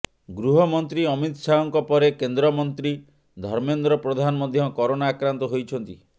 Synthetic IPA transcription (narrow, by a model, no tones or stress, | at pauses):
ɡɾuɦɔmɔnt̪ɾiɔmit̪ɔsaɔŋkɔpɔɾekend̪ɾɔmɔnt̪ɾi | d̪ʱɔɾmend̪ɾɔpɾɔd̪ʱanɔmɔd̪ʱjɔkɔɾonaːkɾant̪ɔɦojt͡ʃʰɔnt̪i